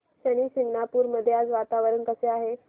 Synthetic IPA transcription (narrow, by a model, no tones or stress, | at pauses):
ɕəɽ̃iːsiŋɡnapuːɾməd̪ʱːjead͡zʋat̪aʋəɾəɳkəseaɦe